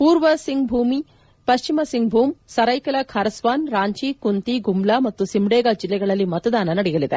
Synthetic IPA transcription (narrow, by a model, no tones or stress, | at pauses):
puːɾʋɐsiŋɡbʱuːmi | pɐʃt͡ʃimɐsiŋɡ̚bʱuːmsɐɾɐjkɐlɐkʰɐɾɐsʋaːnɾaːɲt͡ʃiːkunt̪iɡumblaːmɐt̪ːusimɽɛːɡaːd͡ʒilːɛɡɐɭɐlːimɐt̪ɐd̪aːnɐnɐɽijɐlid̪ḛ